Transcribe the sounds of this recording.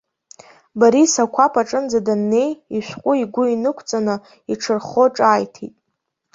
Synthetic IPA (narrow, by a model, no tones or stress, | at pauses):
baɾisakʷʰapʰaʈ͡ʂʼɨnd͡zadanːe̞jiʃʷᶣqʷʼʊiɡʷʊinɨkʷʰt͡sʼanɨ | iʈ͡ʂʰɨrχo̞ʈ͡ʂʼaːjtʰḭtʼ